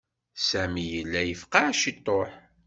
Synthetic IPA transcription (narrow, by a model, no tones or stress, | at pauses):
sæmijəlːæjəfqɑæʃit̪ˤːoħ